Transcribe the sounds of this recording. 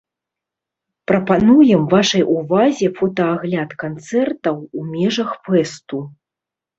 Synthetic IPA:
pɾɐpanujɛmvaʂɐjʔuvazʲɛfɔt̪ɐaɣlʲat̪kant̪sɛrt̪ɐwumʲɛʐɐxfɛst̪u

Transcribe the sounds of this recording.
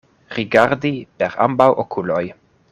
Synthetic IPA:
ɾiɡaɾdipeɾa̰mbawʔokʰuloj

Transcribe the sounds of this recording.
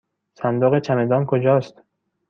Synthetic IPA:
sænd̪oɣet͡ʃʰæmed̪ɒːnkʰod͡ʒɒːst̪

